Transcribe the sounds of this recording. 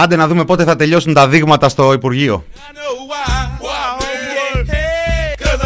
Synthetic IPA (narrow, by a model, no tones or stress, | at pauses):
ɐnd̪enɐðume̞po̞t̪e̞θɐt̪e̞ʎo̞sunt̪ɐðiɣmɐt̪ɐst̪o̞ipuɾʝio̞̰